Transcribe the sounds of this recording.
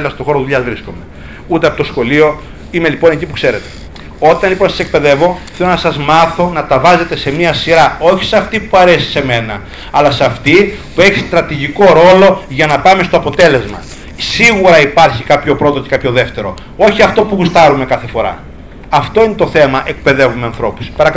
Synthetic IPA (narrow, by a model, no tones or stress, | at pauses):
lmɐst̪oxo̞ɾoðuʎɐzvɾiskome | ut̪eɐpot̪o̞sxo̞lio̞ | ime̞lipo̞necipukse̞ɾe̞t̪e̥ | o̞t̪ɐnliponɐsɐ̥sek̚pe̞ðe̞vo̞θelonɐsɐzmɐθo̞nɐt̪ɐvɐze̞t̪e̞se̞miɐsiɾɐo̞çi̥sɐft̪ipuɐɾe̞si̥se̞me̞nɐ̰ | ɐlɐsɐft̪ipue̞çi̥st̪ɾɐt̪iʝiko̞ɾo̞lo̞ʝɐnɐpɐme̞st̪oɐpo̞t̪e̞le̞zmɐ̰ | siɣuɾɐipɐɾçikɐpço̞pɾo̞t̪o̞ce̞kɐpço̞ðe̞ft̪e̞ɾo̞̰ | o̞çiɐft̪o̞puɣust̪ɐɾume̞kɐθe̞fo̞ɾɐ̰ | ɐft̪o̞inet̪o̞θe̞mɐʔe̞k̚pe̞ðe̞vumeɐnθɾo̞pu̥spɐɾɐk